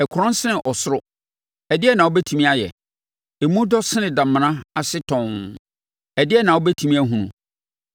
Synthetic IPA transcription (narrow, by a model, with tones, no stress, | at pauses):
ɛ˨kʰʊ˨ɾɔ̃˦n˦sɪ˦nɪ̃˨ʔɔ˨sʊ˦ɾʊ˦ | ɛ˨dɪ˦ɛ˦˨nã˨wɔ˦bɛ˦tʰi˨mĩ˦a˦jɛ̰˨ | mũ˦dɔ˦sɪ˦nɪ̃˨dã˨m̃˨nã˦a˨sɪ˦tʰɔ̃˨n | ɛ˨dɪ˦ɛ˦˨nã˨wɔ˦bɛ˦tʰũ˨mĩ˦æ˦ɦũ˨nũ˨